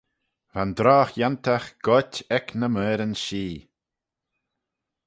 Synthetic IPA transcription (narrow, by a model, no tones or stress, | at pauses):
vand̪ɾaːxjant̪ʰaxɡ̥ɔtʲɛknəmɛːɾənʃiː